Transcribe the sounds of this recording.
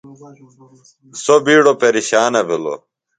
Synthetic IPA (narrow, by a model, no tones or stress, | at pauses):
sobiːɽopeɾiɕaːnɐbilo̰